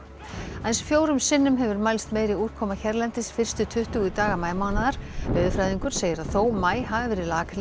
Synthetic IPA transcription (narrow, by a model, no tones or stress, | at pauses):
ajnsfjoːwɾʏmsɪnːʏmɦɛvʏɾmajlst̪meːjɾɪuːɾ̥kʰɔːmaçɛɾlɛnt̪ɪsfɪr̥st̪ʏt̪ʰʏht̪uɣʏt̪aːɣamaːjmawnaðaɾ̥œðʏfɾajðiŋkʏɾ̥seːjɪɾaðθoːwmaːjɦavɪvɪɾɪlaːkl